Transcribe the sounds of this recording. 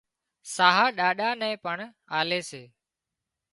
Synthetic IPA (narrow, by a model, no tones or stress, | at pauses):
saːɦaːɗaːɗaːnɛ̃ːpəɳ | aːleːseː